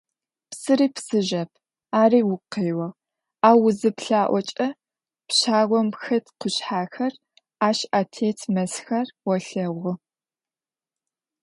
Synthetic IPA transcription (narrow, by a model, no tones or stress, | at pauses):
psɨɾiːpsɨʒɐpʰ | aːɾiːwʊqeːwɐʁ | aːwʊzɨpɬaːʔʷɔt͡ʃʼɐ | pɕaːʁʷɔmxɐtqʊɕħaːxɐr | aːʃaːtʰeːtʰmɐsxɐrwɔɬɐʁʷʊ